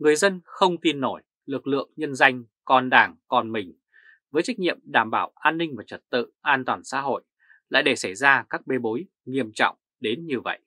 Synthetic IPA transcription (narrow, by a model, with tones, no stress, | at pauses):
ŋɨ˨˩əjzə˧nxə˧wŋ͡mt̪i˧nːo˧˩j | lɨ˨˩k̚lɨ̰˧˨əŋɲə˧nza˧jŋ̟ | kɔ˨˩nɗaː˨˩ŋkɔ˨˩nmï˨˩ŋ̟ | vəː˨˦jt͡ɕa˦˥k̟̚ɲḭ˧˨əmɗaː˧˩mɓaː˧˩wʔaː˧nːï˧ŋ̟vaː˨˩t͡ɕə˧˩t̚t̪ɨ̰˧˨ʔaː˧nt̪waː˨˩nsa̰ː˧˥ɦo̰˧˨j | la̰ː˧˨jɗe˧˩sa˧˩jzaː˧kaː˦˥k̚ɓe˨˦ɓo˨˦j | ŋi˧əmt͡ɕɔ̰˧˨wŋ͡m | ɗe˨˦nɲɨ˧və̰˧˨jʔ